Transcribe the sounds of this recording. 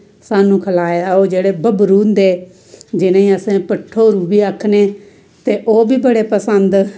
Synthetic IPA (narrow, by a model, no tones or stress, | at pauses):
saːnũːkʰəlaːeːd̪aːoːd͡ʒeːɽeːbəbɾuːnd̪eː | d͡ʒɪnãːĩːəsẽːpəʈʰːoːɾuːbiːəkʰneː | t̪eːʔoːbiːbəɽeːpəsənd̪